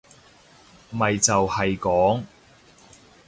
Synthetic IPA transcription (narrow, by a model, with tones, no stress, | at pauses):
mɐ˨jt͡sɐ˨whɐ˨jkɔː˨˥ŋ